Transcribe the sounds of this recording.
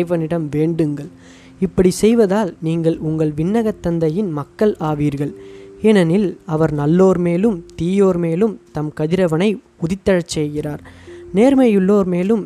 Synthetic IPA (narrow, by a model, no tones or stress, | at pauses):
ɪʋɐnɪɽɐmʋeːɳɖɯŋɡɐɭ | ɪpːɐɽisɛjʋɐðaːlniːŋɡɐɭʊŋɡɐɭʋɪɳːɐɣɐt̪ːɐnd̪ɐjɪnmɐkːɐɭaːʋiːɾɣɐɭɛnɐnɪlɐʋɐɾnɐlːoːɾmeːlɯmt̪iːjoːɾmeːlɯmt̪ɐmkɐðɪɾɐʋɐnɐɪpʊðɪt̪ːɐɻɐt͡ʃːɛjɣɪraːɾneːɾmɐjʊɭːoːɾmeːlɯm